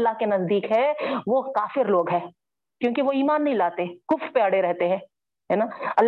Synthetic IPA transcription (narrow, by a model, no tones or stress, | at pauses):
lːaɦkenɐzd̪iːkɦɛʋokaːfɪɾloːɡɦɛ̃ː | kjõːkiʋoiːmaːnːɐɦĩlaːt̪ekʊfɾpeaɽeɾɛɦt̪eɦɛ̃ː | ɦɛːnaːɐlː